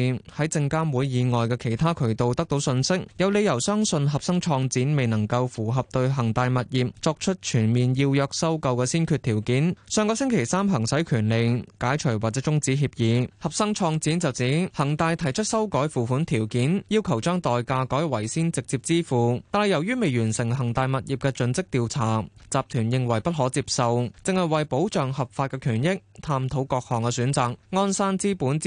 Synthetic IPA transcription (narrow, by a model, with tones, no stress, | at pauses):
hɐ˨˥jt͡sɪ˧ŋkaː˥nwuː˨˧jːiː˨˧ŋɔː˨jkɛː˧kʰe˨˩jt̪ʰaː˥kʰɵ˨˩ɥt̪o˨˧wt̪ɐ˥k̚t̪o˨˥wsɵ˧nsɪ˥k̚jɐ˨˧wle˨˧jɐ˨˩wsœː˥ŋsɵ˧nɦɐ˨p̚sɐ˥ŋt͡ʃʰɔː˧ŋt͡siː˨˥nme˨jnɐ˨˩ŋkɐ˧wfuː˨˩ɦɐ˨p̚t̪ɵ˧ɥɦɐ˨˩ŋt̪aː˧jmɐ˨t̚jiː˨p̚t͡sɔː˧k̚t͡ʃʰɵ˥t̚t͡ʃʰyː˨˩nmiː˨njiː˧wjœː˧k̚sɐ˥wkɐ˧wkɛː˧siː˥nkʰyː˧t̚t̪ʰiː˨˩wkiː˨˥nsœː˧ŋkɔː˧sɪ˥ŋkʰe˨˩jsaː˥mɦɐ˨˩ŋsɐ˨˥jkʰyː˨˩nle˨jkaː˨˥jt͡ʃʰɵ˨˩waː˨k̚t͡sɛː˨˥t͡sʊ˥ŋt͡siː˨˥ɦiː˧p̚jiː˨˧˥hɐ˨p̚sɐ˥ŋt͡ʃʰɔː˧ŋt͡siː˨˥nt͡sɐ˨wt͡siː˨˥hɐ˨˩ŋt̪aː˨˧jt̪ʰɐ˨˩jt͡ʃʰɵ˥t̚sɐ˥wkɔː˨˥jfuː˨fuː˨˥nt̪ʰiː˨˩wkiː˨˥njiː˥wkʰɐ˨˩wt͡ʃœː˥ŋt̪ɔː˨jkaː˧kɔː˨˥jwɐ˨˩jsiː˥nt͡sɪ˨k̚t͡siː˧p̚t͡siː˥fuː˨t̪aː˨nhɐ˨˩jɐ˨˩wjyː˥me˨jyː˨˩nsɪ˨˩ŋɦɐ˨˩ŋt̪aː˨˧jmɐ˨t̚jiː˨p̚kɛː˧t͡sɵ˨˥nt͡sɪ˥k̚t̪iː˨wt͡sʰaː˨˩t͡saː˨p̚t̪ʰyː˨˩njɪ˨˧ŋwɐ˨˩jpɐ˥t̚ɦɔː˨˥t͡siː˧p̚sɐ˨wt͡sɪ˨ŋhɐ˨jwɐ˨jpo˨˥wt͡ʃœː˨ŋhɐ˨p̚faː˧t̚kɛː˧kʰyː˨˩njɪ˥k̚t̪ʰaː˧mt̪ʰo˨˧˥wkɔː˧k̚hɔː˨˩ŋkɛː˧syː˨˥nt͡saː˨k̚ŋɔː˥nsaː˥nt͡siː˥puː˨˥n